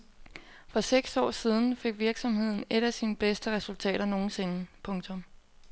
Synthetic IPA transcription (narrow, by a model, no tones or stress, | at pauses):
fɒ̽seɡ̥sɒ̰ːsið̞ˠn̩fe̝ɡ̥ʋiɐɡ̥sɒ̽mhe̝ð̞̰ˠn̩e̝ɾ̥æsiːnəb̥esd̥əʁɛsult͡sʰɛ̰ːɾɐno̝ːn̩se̝nəpʰɔ̽ŋt͡sʰɔ̽m